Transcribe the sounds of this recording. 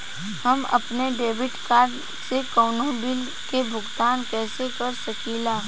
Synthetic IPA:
hɐmɐ̰pneɖeːʋɪʈkaːɾɖ | sekɔːnõbɪl | kebʱʊɡt̪aːnkɛːsekɐɾsəkiːlaː

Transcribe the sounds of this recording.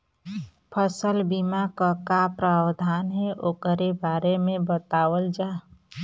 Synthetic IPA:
pʰəsəlbimakəkapɾaːwd̪ʱaːnɦɛʔoːkəɾebaːɾemẽbət̪aːwəld͡ʒaː

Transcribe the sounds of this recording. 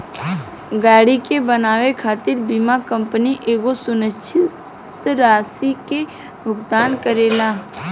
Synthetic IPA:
ɡaːɽikebənaːʋekʰaːt̪ɪɾbimakə̃mpəniʔeːɡosʊnət͡ʃʰɪ | t̪ɾaːsike | bʊkd̪aːnkəɾeːlaː

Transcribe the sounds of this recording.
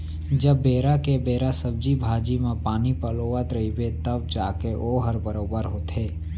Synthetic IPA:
d͡ʒəbːeːɾakebeːɾasəb̚d͡ʒibʱaːd͡ʒimẽpaːnipəloːʋat̪ɾɐɦibet̪əbd͡ʒaːkeʔoːɦəɾbəɾoːbəɾɦoːt̪eː

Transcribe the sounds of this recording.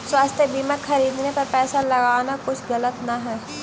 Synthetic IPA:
swaːst̪ʰjəbiːmakxɐɾiːd̪nepɐɾpɛːsalɐɡaːnakʊt͡ʃʰɣɐlət̪naɦɛː

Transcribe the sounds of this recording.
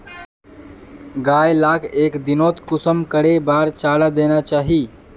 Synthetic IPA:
ɡaːjlaːkeːkd̪ɪnoːt̪kʊsəmkəɽebaːɾt͡ʃaːɽad̪eːnat͡ʃaːɦiː

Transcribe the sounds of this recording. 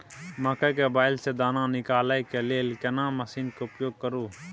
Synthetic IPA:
məkəkebaːɪlsed̪aːnãnɪkaːlajkeleːlkenãːməsiːnkeʊpjoːɡ̚kəɾuː

